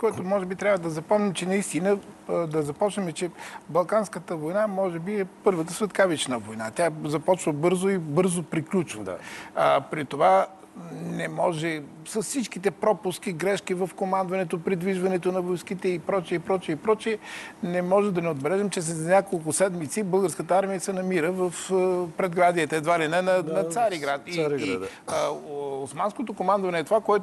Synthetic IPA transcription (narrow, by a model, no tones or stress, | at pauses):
koɛt̪omɔʒɛbit̪ɾʲabvəd̪ɐzɐpɔmnimt͡ʃɛnɐist̪inəd̪ɐzɐpɔt͡ʃnəmɛt͡ʃɛbɐlˠkanskət̪əvojnamɔʒɛbiɛpɤɾvət̪əsvɛt̪kavit͡ʃnəvojnat̪ʲazɐpɔt͡ʃvəbɤɾzoibɤɾzopɾiklʲut͡ʃvə | pɾit̪ova | nɛmɔʒɛ | sɐssit͡ʃkit̪ɛpɾɔpʊsk̟iɡɾɛʃkivɐfkomand̪vɐnɛt̪opɾid̪viʒvɐnɛt̪onɐvojskit̪ɛipɾɔt͡ʃiɛipɾɔt͡ʃiɛipɾɔt͡ʃiɛnɛmɔʒɛmd̪ɐnɛod̪̚bɛlɛʒɛmt͡ʃɛs̬ɛznʲakolˠk̬ʊsɛd̪mit̪sibɤlˠɡəɾskət̪əaɾmijəsɛnɐmiɾəvəfpɾɛd̪ɡɾad̪iət̪ɛɛd̪valɛnɛnɐnɐsaɾiɡɾat̪i | osmanskot̪okomand̪vɐnɛːt̪ovakoɛt̪